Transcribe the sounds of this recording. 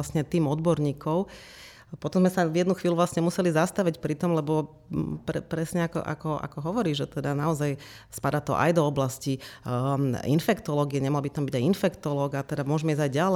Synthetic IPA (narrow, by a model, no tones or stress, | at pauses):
sɲɛt̪iːmɔd̪bɔɾɲiːkʰɔʊ | pɔt̪ɔmzmɛsajɛd̪nuxʋiːluʋlasɲɛmusɛlizast̪aʋicpɾit̪ɔmlɛbɔ | pɾɛpɾɛsɲɛakɔ̰ʔa̰kɔʔa̰kɔɦɔʋɔɾiːʒʒɛt̪ɛd̪anaɔzaj | spad̪at̪ɔ̰ʔa̰jd̪ɔɔblasci | ḭnfɛkt̪ɔlɔːɡiɛɲɛmɔɦlbit̪ambiɟajinfɛkt̪ɔlɔːɡat̪ɛd̪amʊɔʒɛmɛiːzajɟal